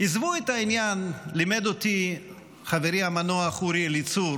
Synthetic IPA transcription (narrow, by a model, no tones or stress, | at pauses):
izvuetainjanlimed̪ot̪i | χaveɾiamanoaχuɾilit͡suɾ